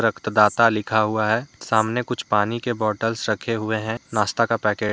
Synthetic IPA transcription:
ɾəkt̪d̪aːt̪alɪkʰaɦʊaɦɛːsaːmnekʊt͡ʃʰpaːnikebɔːʈəlsɾɐkʰeɦʊeɦɛ̃naːst̪akapɛːkeː

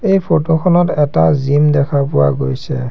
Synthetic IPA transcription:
ejpʰotokʰɔnɔtɛtazimdɛkʰapʊwa̰ɡojsɛ̰

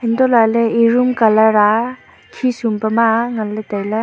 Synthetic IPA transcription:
indɔlaleiɾumkɐlɐɾa | kʰisumpɐmaŋɐlːɐtajla

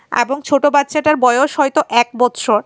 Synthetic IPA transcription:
ḛboŋt͡ɕʰoʈobat̪ːɕʰaʈaɾbɔeoʃɔjt̪oʔɛk̚bɔt̪ːʃoɾ

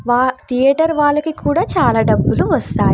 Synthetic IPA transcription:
ʋaːt̪ʰijɐʈɐɾʋaːɭːɐkikʰuːɽaːt͡ʃaːlaːɖɐbːuluʋɐst̪aːji

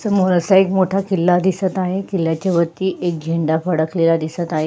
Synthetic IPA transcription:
səmoɾəsaekmoʈʰakilːad̪isət̪aɦekilːat͡ɕaʋət̪ːiːʔek̚d͡ʑʱeɳɖafəɽəklelad̪isət̪aɦe

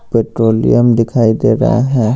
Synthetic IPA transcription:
peːʈɾoːlḭjəmd̪ɪkʰaːid̪ḛːɾa̰ɦa̰ɦɛ̃

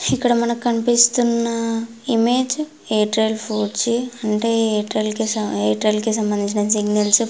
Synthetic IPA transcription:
ikːɐɽɐmɐnɐkkɐnipist̪unːɐ | ime̞ːd͡ʒ | eːʈɾɐlpʰuːɖt͡ʃiɐɳʈeːeːʈɾɐlkiseːʈɾɐlkis̬ɐmbɐnd̪iɲt͡ʃinɐs̬iɡnɐls

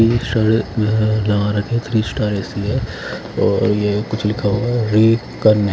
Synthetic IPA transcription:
isʈaɽ | lɐaɾɐkiɦɛt̪ʰɾiːsʈaːɾɛːsiɦɛ | ɔːɾjekʊt͡ʃʰlɪkʰaɦoaɾiː | kɐɾn

